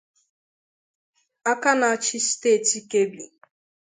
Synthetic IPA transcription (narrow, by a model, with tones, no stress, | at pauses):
a˦ka˦na˨a˦˨t͡ʃɪ˦ste˦˨ti˦ke˦bi˨